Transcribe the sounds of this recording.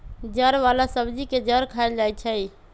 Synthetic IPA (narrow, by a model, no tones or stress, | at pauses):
d͡ʒəɾʋalasəbd͡ʒiked͡ʒəɾkʰaɪld͡ʒajt͡ʃʰə